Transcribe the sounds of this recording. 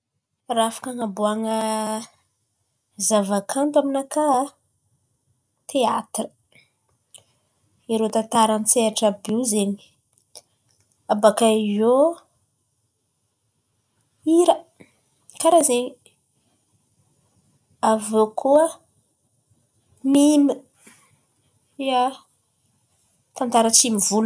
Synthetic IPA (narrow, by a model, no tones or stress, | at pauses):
raafḁkaŋabuaŋə | zavakʰant̪aminaka | t̪ʰeat̪rə̥ | iɾot̪at̪aɾant͡seaʈ͡ʂabiwzeni̥ | abakaizo | iɾə | kaɾazeɲi | avokʰuə | mimə | ia | t̪ant̪aɾət͡simivul